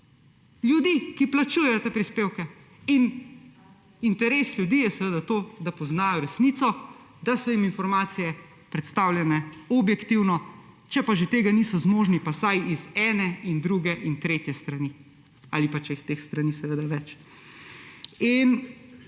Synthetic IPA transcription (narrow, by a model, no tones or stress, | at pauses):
lʲjud̪ikiplat͡ʃuːjɛjɔt̪eːpɾispeːwkɛ | in | int̪ɛɾeːslʲjud̪iːjɛsɛʋeːd̪at̪oːd̪apɔznaːjɔɾɛsnit̪sɔ | d̪asɔjiminfɔɾmaːt̪sijɛ | pɾɛt̪st̪awlʲjɛnɛɔbjɛkt̪iwnɔ | t͡ʃɛpaʒet̪eːɡanisɔzmoːʒnipasajizɛːnɛind̪ɾuɡɛʔint̪ɾeːt̪jɛst̪ɾani | a̰lipat͡ʃɛjixt̪eːxst̪ɾaniːsɛʋeːd̪aʋɛt͡ʃ | in